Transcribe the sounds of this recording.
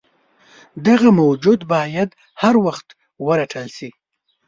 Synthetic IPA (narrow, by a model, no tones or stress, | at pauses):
d̪aɣamawd͡ʒud̪bɑjad̪ | haɾwaxt̪ | wəɾaʈʰəlsi